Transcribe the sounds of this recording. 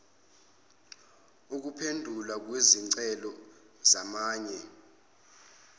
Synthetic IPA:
uk̬upʰendʱulak̬wezinǀɛlɔ | zamaːɲɛ

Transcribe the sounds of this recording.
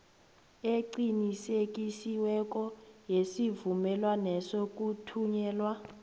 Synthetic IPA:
eǃinisek̬ʼisiwɛk̬ʼɔjesivumɛlwanɛsok̬ʼutʰuɲɛːlwa

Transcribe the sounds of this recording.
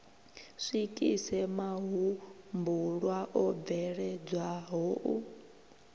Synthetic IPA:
ʂikʼisɛmaɦu | mbuɺwaʔɔb̪vɛɺɛd͡zwaɦɔːʔu

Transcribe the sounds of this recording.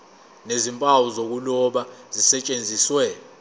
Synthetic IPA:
nezimpʼawuzok̬ulɔɓazisɛt͡ʃʼend͡zʱiswɛ

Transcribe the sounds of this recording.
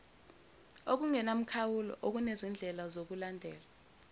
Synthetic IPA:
ok̬uŋɛnam̩kʰawulɔ̰ʔok̬unezind͡ɮʱɛlazok̬ulandʱɛːla

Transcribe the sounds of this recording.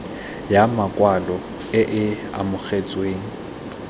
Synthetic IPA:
jamakʼwalɔ | ɪʔɪ | a̰mʊk͡xet͡sʼweːŋ̩

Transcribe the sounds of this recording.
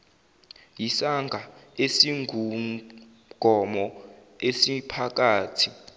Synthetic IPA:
jisaŋɡʱaesiŋɡʱu | ɡ̥ʱɔmɔ | esipʰak̬ʼaːtʰi

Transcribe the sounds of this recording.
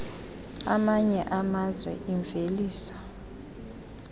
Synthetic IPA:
amaɲɛʔamazwɛ̰ʔiɱveliːsḁ

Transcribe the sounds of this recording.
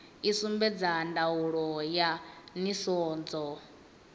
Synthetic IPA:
isumbɛd͡zandauɺɔjanisɔːnd͡zɔ

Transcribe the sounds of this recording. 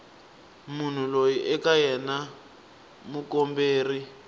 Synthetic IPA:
mun̤ulojiʔɛkajɛna | mukɔmbeːri

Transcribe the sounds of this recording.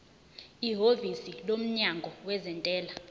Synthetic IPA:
iɦovisilom̩ɲaŋɡʱɔwɛzɛntʼɛːla

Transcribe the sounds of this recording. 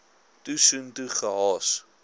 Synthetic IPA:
tusuntuχəɦɑːs

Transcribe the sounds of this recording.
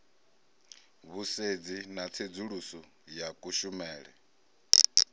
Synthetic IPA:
βused͡zinat͡sʰed͡zuɺusɔ | jakʼuʃumɛːɺɛ̰

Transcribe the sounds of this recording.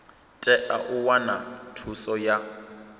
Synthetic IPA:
tʼɛʔaʔʊwanatʰusɔja

